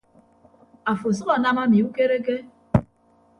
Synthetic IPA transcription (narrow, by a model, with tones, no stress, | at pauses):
a˨fo˨sʊ˦kɔ˨na˦ma˦mi˨u˦ke˦ɾe˦ɡe˦